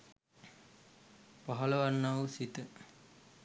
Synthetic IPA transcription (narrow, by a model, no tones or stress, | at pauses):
paɦɐləʋanːaʋsit̪ə